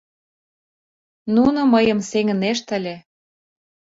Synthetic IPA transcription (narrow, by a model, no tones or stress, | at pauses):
nunŏməjɤ̆mseŋə̆neʃ̬t̪ə̆lʲĕ